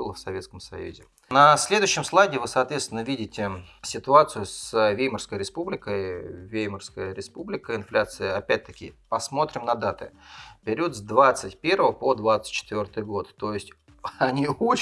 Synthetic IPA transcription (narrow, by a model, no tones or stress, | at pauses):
ulˠəfsɐvʲet̪skəmsɐ̰jṵzʲɪ̰ | nɐsʲlʲe̞d̪ʊɕːɪmslˠajɡʲɪɪvɨsɐːt̪vʲet̪t̪ʲɪnəvʲidʲɪtʲɪsʲɪt̪ʊat̪sɨjʊsvʲejmərskəjɾʲɪspublʲɪkəjvʲejmərskəjəɾʲɪspublʲɪkəɪnflʲat̪sɨjəɐpʲæt̚ʲt̪əkʲɪpɐsmo̞t̪ɾʲɪmnɐd̪at̪ɨ̰pʲɪɾʲut̪zd̪vat̪sɨtʲpʲe̞rvəvəpod̪vat̪sɨ̥t̚ʲt͡ɕːɪ̥t̪vʲo̞rt̪ɨjɡo̞t̪ːo̞jɪsʲtʲ | ɐnʲiot͡ɕ